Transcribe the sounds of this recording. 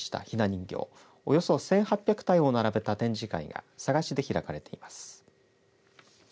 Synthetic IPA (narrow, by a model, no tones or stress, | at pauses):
ɕi̥t̪a̰çinaɲ̟ĩŋɡʲo̞̰ː | ojo̞so̞sẽ̞ɰ̃hapʲjakɯ̥t̪aio̞naɾabe̞t̪at̪ẽ̞ɲ̟d͡ʑika̰ḭɡa̰saɡaɕid̪e̞çiɾakaɾe̞t̪e̞imasɨ̥